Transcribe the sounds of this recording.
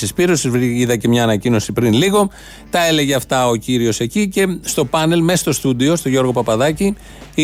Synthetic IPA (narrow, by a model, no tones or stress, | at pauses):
sispiɾosizvɾiiðɐcemɲɐːnɐcino̞sipɾinliɣo̞ | t̪ɐe̞le̞ʝeɐft̪ɐo̞ciɾio̞se̞cice̞st̪o̞pɐne̞lmest̪o̞st̪ud̪io̞st̪o̞ʝo̞ɾɣo̞pɐpɐðɐci